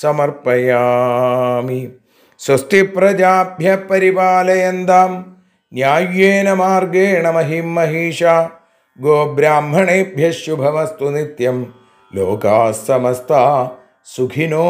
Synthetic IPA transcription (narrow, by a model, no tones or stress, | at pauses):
sɐmɐɾpɐjaː | mi | sɐst̪ipɾɐd͡ʒaːbʱjɐpɐɾipaːlɐjɐnd̪aːm | njaːjeːnɐmaːɾɡeːɳɐmɐɦimːɐɦiːʃaː | ɡoːbɾaːmɦɐɳeːbʱjɐʃjubʱɐmɐst̪unit̪jɐm | loːkaːsɐmɐst̪ʰaː | suɡʰʱinoː